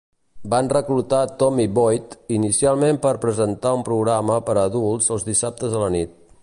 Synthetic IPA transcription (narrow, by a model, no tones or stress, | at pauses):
banrəklut̪at̪ɔmiβɔjt̪inisialˠmempəɾpɾəzənt̪aumpɾuɣɾaməpəɾəːðulˠzəlˠzðisap̚t̪əzðələnit̪̚